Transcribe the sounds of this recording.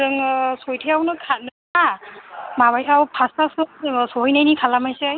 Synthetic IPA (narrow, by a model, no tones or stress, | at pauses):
ɯŋsojtʰijawnɯkʰanɯ | a | mabajtʰawpʰasasɯsoɦɔjnajnikʰalamajseaj